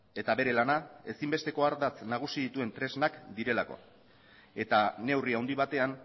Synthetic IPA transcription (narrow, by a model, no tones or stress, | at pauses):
e̞t̪aβe̞ɾe̞lanae̞simbe̞st̪e̞ko̞aɾd̪at͡snaɣ̞usiðit̪ue̞nt̪ɾe̞znakd̪iɾe̞lako̞̰ | e̞t̪ane̞wriawnd̪iβ̞at̪e̞an